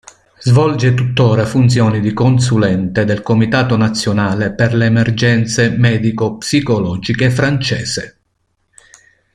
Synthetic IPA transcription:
zvɔld͡ʒet̪ut̪ːɔːɾafunt̪sjɔːnid̪ikonsulɛnt̪ed̪elkomit̪aːt̪onat̪sːjonaːleperleːmerd͡ʒɛnt̪semɛːd̪ikopsikolɔːd͡ʒikefɾant͡ʃɛːse

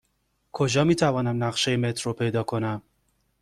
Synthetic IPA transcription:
kʰo̞d͡ʒɒːmiːt̪ʰævɒːnæmnæʁʃejeme̞t̪ʰɾopʰe̞jd̪ɒːkʰo̞næm

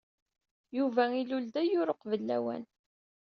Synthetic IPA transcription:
juvæiluld̪æjʊɾəqvəlːæ̰wæ̰n

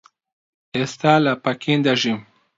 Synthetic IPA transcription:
est̪alapakʰind̪aʒim

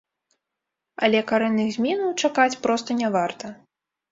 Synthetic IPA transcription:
ɐ̰lʲɛkaɾɛnːɨɣzʲmʲinɐwt͡ʂakat͡sʲpɾɔst̪ɐnʲavart̪ɐ

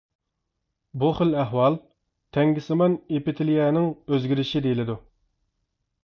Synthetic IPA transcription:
buχəlæɦwɑlˠ | t̪ʰɛŋɡʲɪsɨmɑnepɪt̪ʰɪlijɛnɪŋøzɡʲiɾɪʃid̪ejilɪd̪u

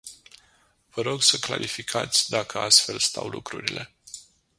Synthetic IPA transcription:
vəɾo̞ɡsəkla̰ɾʔifikʰat̪sʲd̪akʰəast̪fe̞lst̪awlukɾuɾilʔe̞

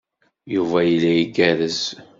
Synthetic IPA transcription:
juvæjəlːæiɡæɾəz

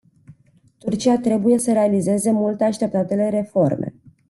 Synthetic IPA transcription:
t̪urt͡ʃiat̪ɾe̞buje̞səɾe̞alize̞ze̞mult̪eaʃt̪e̞p̚t̪at̪e̞leɾe̞fo̞rmʔe̞̰

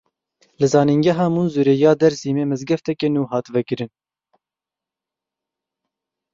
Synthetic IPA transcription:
lɨzɑːniŋɡɛɦɑːmunzuɾeːjɑːd̪ɛɾsiːmeːmɛzɡɛft̪ʰɛkɛnuːɦɑːt̪vɛkɨɾɨn

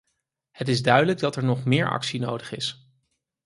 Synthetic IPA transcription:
hətɪzdœɥdələɡ̚dɑtɛɹnɔχmɪːɹʔɑ̰ksinowdəχɪs

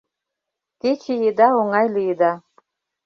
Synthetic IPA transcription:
ket͡ʃejed̪ɑoŋɑjlijed̪ɑ

